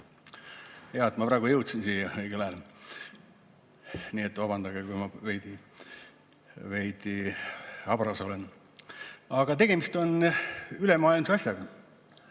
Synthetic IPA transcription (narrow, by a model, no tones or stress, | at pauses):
jɑet̪mɑprɑːɡ̥ujɤwt̪sinsiːjɑeɡelæl | niːet̪ːˑvɑbɑnd̪ɑɡekujmɑvejd̪i | vejd̪̥i | ɑbrɑso̞len | ɑɡ̥ɑt̪̬e̞ɡ̥e̞mist̪o̞nyle̞mɑːilmseɑsʲjɑɡ̥ɑ